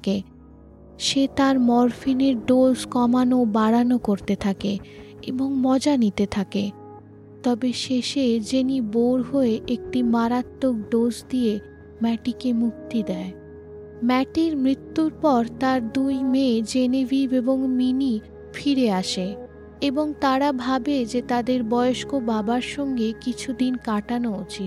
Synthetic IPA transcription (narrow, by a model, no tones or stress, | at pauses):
ke | ʃet̪aɾmɔɾfineɾɖozkɔmanobaɾanokoɾt̪et̪ʰakeeboŋmɔd͡ʑanit̪et̪ʰake | t̪ɔbeʃeʃed͡ʑeniboɾɦoeʔek̚ʈimaɾat̪ːok̚ɖod͡ʑd̪ie | mɛʈikemuk̚t̪id̪ɛe | mɛʈiɾmɾit̪ːuɾpɔɾt̪aɾd̪ujmed͡ʑenebibeboŋmini | fʰiɾeaʃe | eboŋt̪aɾabʱabed͡ʑet̪ad̪eɾbɔeoʃkobabaɾʃɔŋɡekit͡ɕʰud̪inkaʈanoot͡ɕʰi